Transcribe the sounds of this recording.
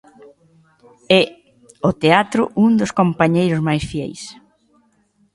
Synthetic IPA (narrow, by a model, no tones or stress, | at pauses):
ɛ | ot̪eat̪ɾʊ̰ʔuŋd̪ʊskompaɲejɾʊzmajsfiɛ̰js